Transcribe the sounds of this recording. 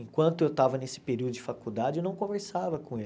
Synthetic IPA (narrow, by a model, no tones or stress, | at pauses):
ẽŋkwɐ̃nt̪ʊewt̪avɐnesɪ̥peɾiuwd̪ʊd͡ʒɪfakud̪ad͡ʒɪewnɐ̃w̃kõveɾsavɐkõe